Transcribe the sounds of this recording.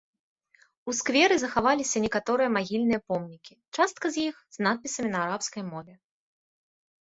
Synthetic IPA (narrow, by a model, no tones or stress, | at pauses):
uskvʲɛɾɨzɐxavalʲisʲɐnʲɛkat̪ɔɾɨjɐmaɣʲilʲnɨjɐpɔmnʲikʲit͡ʂast̪̚kɐzʲjixz̥nat̪̚pʲisɐmʲinɐaɾapskɐjmɔvʲɛ